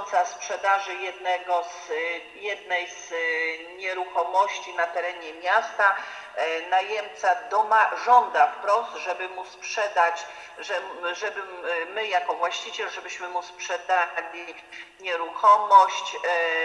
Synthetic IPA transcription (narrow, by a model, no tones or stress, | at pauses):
t̪saspʂɛd̪aʐɘjɛd̪nɛɡɔz | jɛd̪nɛjz̥ɲɛɾuxɔmɔɕt͡ɕinat̪ɛɾɛɲɛmʲjast̪a | najɛmt̪sad̪ɔmaʐɔnd̪afpɾɔst̪ʐɛbɘmuspʂɛd̪at͡ɕ | ʐɛʐɛbɘmɘjakɔvwaɕt͡ɕit͡ɕɛlʐɛbɘɕmɘmuspʂɛd̪alʲi | ɲɛɾuxɔmɔɕt͡ɕ